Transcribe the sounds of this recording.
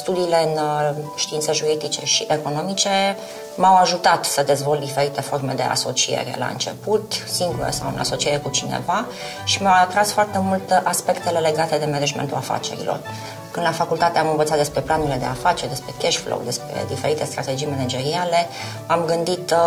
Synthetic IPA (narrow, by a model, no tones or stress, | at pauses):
st̪ud̪iːle̞ɨnʃt̪iintseʒuɾid̪it͡ʃe̞ʃiʔeko̞no̞mit͡ʃe̞ | mawaʒut̪at̪səd̪e̞zvolt̪d̪ife̞ɾit̪e̞fo̞rme̞d̪e̞̰ʔa̰so̞t͡ʃie̞̰ɾe̞̰la̰ɨ̰nt͡ʃe̞̰put̪siŋɡuɾə̰sawɨ̰nʔa̰so̞t͡ʃieɾekut͡ʃinḛva | ʃimawat̪ɾasfoart̪e̞mult̪ʔaspe̞kt̪e̞le̞le̞ɡat̪e̞d̪e̞mened͡ʒmḛnt̪ulafa̰t͡ʃe̞̰ɾḭlo̰r | kɨnd̪lafakult̪at̪eamɨnvət̪sat̪d̪espɾe̞planuɾile̞d̪e̞̰afat͡ʃerd̪e̞spɾe̞keʃflo̰wd̪e̞spɾe̞̰d̪ife̞ɾit̪e̞st̪ɾat̪e̞d͡ʒijmened͡ʒe̞ɾiale̞ | amɡɨnd̪it̪